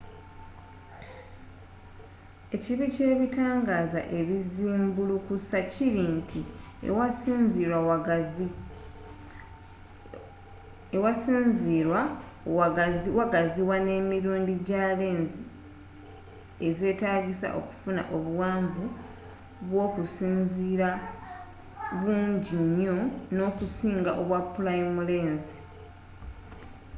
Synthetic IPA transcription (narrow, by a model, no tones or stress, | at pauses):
e̞ciβice̞ːβitaːŋɡaːza̰ʔe̞βiziːmbulukusaciɾintʰi | wasinziɾwaw | ewasiziwa | waɡaziwane̞miɾuːndiɟale̞ːnzi | e̞ze̞ːtaːɡisa̰ʔo̞̰ku̥funa̰ʔo̞βuwaːɱvu | βwo̞ːkusiːnziɾa | βuːɲɟiɲːo̞no̞kusiːŋɡa̰ʔoβwapulaimule̞ːnzi̥